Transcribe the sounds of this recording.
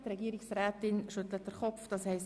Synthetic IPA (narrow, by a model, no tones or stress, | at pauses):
tɾɛɡiːəɾɪksræːtɪnʃɵt̪lət̚d̥əɾχɔpfd̥ɑshɛɪs